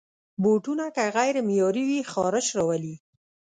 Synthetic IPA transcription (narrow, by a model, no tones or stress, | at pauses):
boʈunakaɣajɾɪmjɑɾiwixɑɾəʃɾɑwali